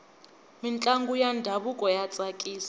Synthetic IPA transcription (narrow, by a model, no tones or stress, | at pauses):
mint͡ɬʼaŋɡujandʱaβukʼɔjat͡sʼakʼiːsḁ